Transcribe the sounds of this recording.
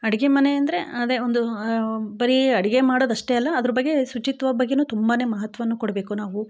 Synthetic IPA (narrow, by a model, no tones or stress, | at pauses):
ɐɽiɡe̞mɐne̞ɐnd̪ɐɾe̞ɐd̪eond̪ubɐɾiɐɽiɡe̞maːɽoːd̪ɐʂʈe̞ɐlːɐːd̪ɐɾɐbɐɡːe̞sut͡ʃit̪ʋɐbɐɡːenuːt̪umbaːne̞ːmɐɦɐt̪ʋɐʋɐnːukoɽɐbe̞ːkunaːʋu